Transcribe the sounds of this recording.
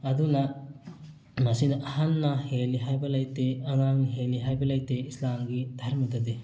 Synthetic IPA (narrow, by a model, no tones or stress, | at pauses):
ɐdunɐ | mɐsinɐʔɐhanːɐheliɦajbɐlajteɐŋaŋniɦeliɦajbɐlajteislamɡidʱaɾmɐdɐde